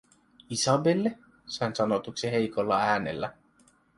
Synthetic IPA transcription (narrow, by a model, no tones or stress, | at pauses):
isɑbelːe | sɑjnsɑnot̪uksiɦe̞jko̞lːɑæːnḛlːæ